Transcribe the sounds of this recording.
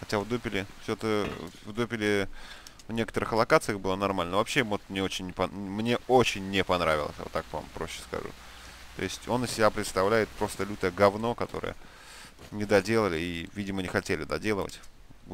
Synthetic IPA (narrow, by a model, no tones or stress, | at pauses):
xɐtʲavd̪upʲɪlʲɪfsʲot̪əvd̪upʲɪlʲɪ | vnʲe̞kə̥t̪əɾɨxlˠɐkat̪sɨjəxbɨlˠənɐrmalʲnəvɐpɕːevot̪mnʲeot͡ɕɪnʲːɪpɐmnʲe̞ot͡ɕɪnʲːɪpɐnɾavʲɪ̰lˠə̰sʲja̰ot̪ːak̚va̰mpɾo̞̰ɕːɪ̥skɐ̰ʐṵ | t̪o̞̰ɪsʲtʲo̞nːəsʲɪbʲapɾʲɪt̪st̪ɐvlʲæjɪt̪̚pɾo̞st̪əlʲut̪əɡɐvno̞kɐt̪o̞̰ɾɨ̰jə̰ | nʲɪd̪ɐdʲe̞lˠəlʲɪivʲidʲɪmənʲɪxɐtʲelʲɪd̪a̰dʲe̞lˠəvə̰tʲ